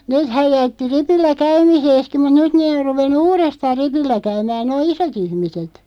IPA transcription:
neːthæj jætːi ripilːæ kæymiseːski mut nyt neː or ruʋenːu uːrestɑːr̆ ripilːæ kæymæː noː isot ihmiset

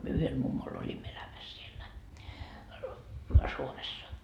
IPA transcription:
myø yhel mumːol olʲimːo elæmæs sielːæ suomesːɑ

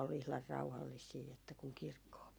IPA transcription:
ol ihlɑr rɑuhɑlːisiː etːæ kuŋ kirkːoː

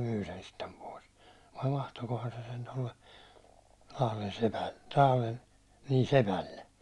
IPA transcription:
myː sen sitːem pois ʋɑi ʋɑhtokohɑn se sen tolːe lɑhlen sepælːe lɑhlen niː sepælːe

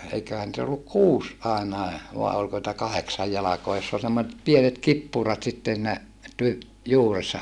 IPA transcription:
eikøhæn nĭt olːuk kuːs ɑˑenɑe ʋɑˑe olko nitæ kɑheksɑj jɑlɑkoɑ josː ol semːoset pienet kipːuˑrɑt sitːen siːnæ ty juːresːɑ

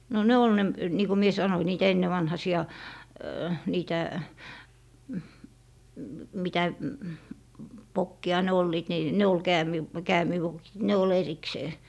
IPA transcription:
no ne ol ne niː ko mie sɑnoĭ niːtæ enːeʋɑnhɑsiɑ niːtæ mitæ ʋokːiɑ ne olːiːt ni ne ol kæːmiʋ kæːmiʋokit ne ol erikseː

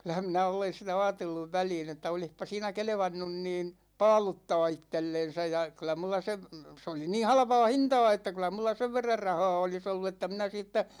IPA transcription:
kylˑæhæm minæ olen sitæ ɑːtelːuʋ ʋæliːn etːæ olihpɑ siːnæ kelĕʋɑnːun niːn̞ pɑːlutːɑː itːelːen̞sæ jɑ kylˑæ mulːɑ seʋ se oli niːn̞ hɑlpɑ̝ː hintɑ̝ː etːæ kylˑæ mulːɑ seʋ ʋerːɑr rɑhɑː olis olːu etːæ minæ siːtːæ

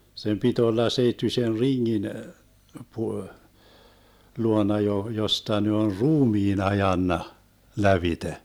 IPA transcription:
sem pit olːɑ seitːysʲen riŋːin pu luonɑ jo jostɑ ne on ruːmiːn ɑjɑnːɑ læʋite

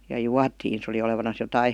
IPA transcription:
jɑ juɑtiːn se oli oleʋɑnɑs jotɑi

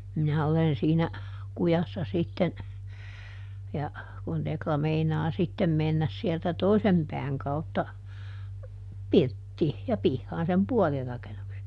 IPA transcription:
minæ olen siːnæ kujɑsːɑ sitːen jɑ kun teklɑ meinɑː sitːen menːæs sieltæ toisem pɛæŋ kɑutːɑ pirtːiː jɑ pihːɑːn sem puol rɑkenukse

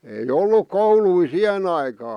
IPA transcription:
ei olˑuk koului sih̆en ɑikɑː

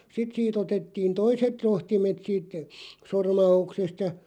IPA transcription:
sit siːt otetːiːn toiset rohtimet siːt sormɑuksest jɑ

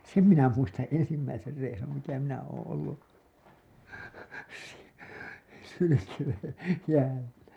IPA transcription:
sem minæ muistɑ̃ː ensimːæiser reisum mitæ minæ oːõ olːu s hylykeːn̞ jæːlːæ

